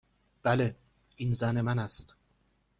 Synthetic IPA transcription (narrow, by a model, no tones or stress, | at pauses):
b̥æle | inzæne̞mænæst̪